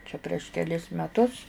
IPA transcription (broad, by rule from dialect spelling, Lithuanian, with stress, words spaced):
t͡ʃʲɛ pʲrʲiɛʃ kʲɛˈlʲɪs mʲɛˈtʊs